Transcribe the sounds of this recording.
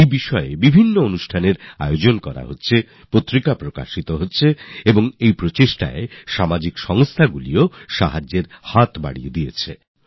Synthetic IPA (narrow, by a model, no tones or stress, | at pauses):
ejbiʃɔebibʱinːoonuʃʈʰaneɾa̰jod͡ʑonkɔɾa̰ɦotːɕʰe | pot̪ːɾikapɾoka̰ʃit̪oɦotːɕʰeeboŋejpɾot͡ɕeʃʈa̰eʃamad͡ʑikʃɔŋst̪ʰaɡulioʃa̰ɦad͡ʑːeɾhat̪ba̰ɽijed̪ijet͡ɕʰe